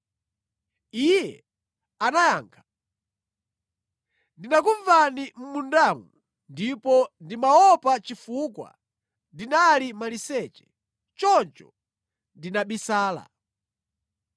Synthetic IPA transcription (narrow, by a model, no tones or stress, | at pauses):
ijɛ | anajaːŋkʰḁ | ndinak̬uɱvanim̩mundamu | ndipɔndimaɔpat͡ʃifukwa̰ | ndinalimalisɛt͡ʃɛ̥ | t͡ʃɔnt͡ʃɔ | ndinaɓisaːla̰